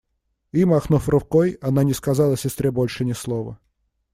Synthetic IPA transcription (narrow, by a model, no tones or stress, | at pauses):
imaxnufrʊkojɐnanʲɪskazalˠɐsʲɪst̪ɾʲebolʲʂɨnʲɪslˠovə̰